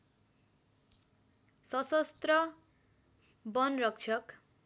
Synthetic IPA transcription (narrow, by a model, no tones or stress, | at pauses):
sʌsʌst̪rʌ | bʌnrʌk̚t͡ʃʰʌk